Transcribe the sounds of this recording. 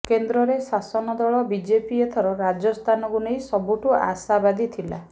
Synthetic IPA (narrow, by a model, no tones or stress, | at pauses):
kend̪ɾɔɾesasɔnɔd̪ɔɭɔbid͡ʒepiet̪ʰɔɾɔɾad͡ʒɔst̪ʰanɔkunejsɔbuʈua̰sabad̪it̪ʰila̰